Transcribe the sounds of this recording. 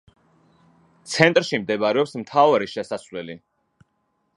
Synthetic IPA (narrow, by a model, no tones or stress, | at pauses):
t̪sʰɛnt̪ʼɾʃimd̪ɛbɾɛɔpsmt̪ʰavaɾiʃɛsasvlɛli